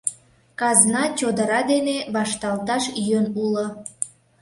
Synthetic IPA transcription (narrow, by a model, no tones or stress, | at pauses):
kɑznɑt͡ɕod̪əɾɑd̪eneβɑʃt̪ɑlt̪ɑʃjønulo